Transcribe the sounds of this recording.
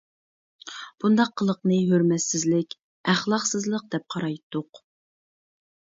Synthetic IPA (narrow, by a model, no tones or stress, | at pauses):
b̥und̪ɑqʰːəlˠəqnɨɦøɾmɛt̪sɪzlɪkʲ | æχlˠɑqsɨzlˠəq̚d̪ɛp̚qʰɑɾɑjt̪ʰːʊq